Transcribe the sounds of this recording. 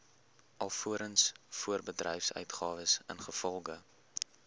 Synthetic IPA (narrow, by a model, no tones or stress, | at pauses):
ʔɐlˠfuəɾənsfuərbədrɛ̰jfsœ̰ɥtχɑːvəsə̰nχəfɔlˠʁə